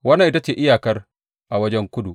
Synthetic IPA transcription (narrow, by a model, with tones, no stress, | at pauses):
wɐ˦na˨ʔɪ˦ta˦t͡ʃeː˨ʔɪ˦jaː˨kɐ˦r | ʔa˨wɐ˦d͡ʒɛ˦ŋkʷʊ˦du˨